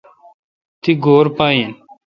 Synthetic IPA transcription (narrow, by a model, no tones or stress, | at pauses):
t̪iɡoːɾpaːiːn